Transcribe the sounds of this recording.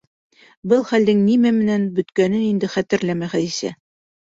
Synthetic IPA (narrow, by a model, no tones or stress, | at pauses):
bɤlˠχæld̪ɘŋnimæmɘ̆nænbɵ̆t̪kænɘnind̪ɘχæt̪ɘ̆ɾlæmæχæðisæ̰